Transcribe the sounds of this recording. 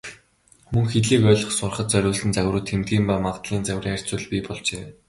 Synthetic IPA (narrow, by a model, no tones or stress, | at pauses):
mɵ̆ŋxet̪ɮiːkœːɮɞ̆χsʊrχə̆t̪̚t͡sœɾʲʊːɮsɘ̆nt͡sæwrʊːt̪ʰːemt̪̚ɡʲiːmpamaʁt̪ɮiːnt͡sæwʲriːŋχær̥ʲt͡suːɮpʲipɔɮt͡ɕeː